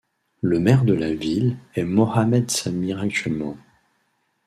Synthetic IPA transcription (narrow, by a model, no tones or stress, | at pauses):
ləmɛʁd̪əlavilɛmɔhamɛd̪samiʁak̚t̪ɥɛlmɑ̃